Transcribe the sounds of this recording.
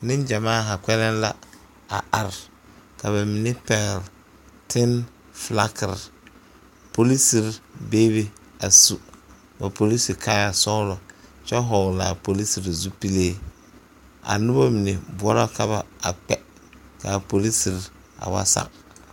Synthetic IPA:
nɪ˦nd͡ʒa˨maː˦˨ɦa˨kʷɛ˦lɛ˦n˦la˦ | a̰˨ʔa˨ɾ | ka˨βa˨mi˨ne˦pɛ˨ɣɛ˨l | tʰɪ˦n | fla˦kɪ˨ɾ | po˨li˦si˨ɾbeː˦be˦ | a˨su˦ | ba˨po˨li˦si˨kʰa˦ja˨sɔ˦lɔ˨t͡ʃɛ˦ɦɔ˨ŋ˨la̰˨po˨li˦si˨ɾzu˦pi˦leː˦ | a̰˨nʊ˦ba˦mi˨ne˨bʊ˨˦ɔ˦ɾɔ˦ka˦βa˨a˨k͡pɛ˦ | ka˨po˨li˦si˨ɾ | a̰˨wa̰˦sa̰˦˨k̚

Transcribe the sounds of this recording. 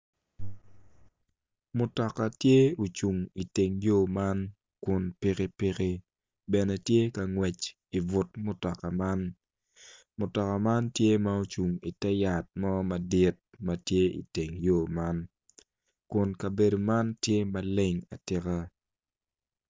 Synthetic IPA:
mʊ˨tɔ˨ka˨tje˦o˨t͡ʃu˨ŋi˨te˨ŋjo˦˨ma˦n | kʊ˨npɪ˦kɪ˦pɪ˦kɪ˦ | bɛ˨nɛ˨tje˦ka˨ŋwɛ˨t͡ʃ | i˨vʊ˨tmʊ˨tɔ˨ka˨ma˦n | mʊ˨tɔ˨ka˨ma˦ntje˦ma˨o˨t͡ʃu˨ŋi˨tɛ˦ja˨t̚mɔ˦mɐ˨dɪ˦t̚mɐ˨tje˦ḭ˨te˨ŋjo˦˨ma˦n | kʊ˨nkɐ˨be˨do˨ma˦ntje˦mɐ˨le˦ŋa̰˨tɪ˦ka˦

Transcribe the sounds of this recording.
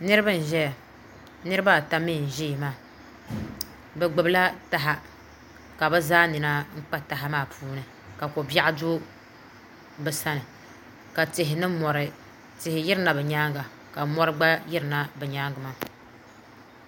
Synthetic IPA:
nɨ˦ɾɨ˦ba˦n̩˨ʒɛ˦ja˨ | nɨ˦ɾɨ˦ba˦˨ta˦mi˦˨n̩˨ʒiː˦˨maː˦˨ | bɛ˨ɡ͡bɨ˨bla˦ta˦ɦa˦ | ka˨bɛ˦zaː˦nɨ˨na˦ŋ̩˦k͡pa˦ta˨ɦa˦maː˦˨pʰuː˦nɨ˨ | ka˨ko˨bja˦a˦do˦ | bɛ˨sa˦nɨ˨ | ka˨tɪ˨ɦɪ˨nɨ˦mɔ˨ɾɨ˨ | tɪ˨hɪ˨jɪ˦ɾɨ˦na˨bɛ˨ɲaː˦ŋɡa˨ | ka˨mɔ˦ɾɨ˦ɡ͡ba˦jɪ˦ɾɨ˨na˦bɛ˨ɲaː˦ŋɡa˨ma˨

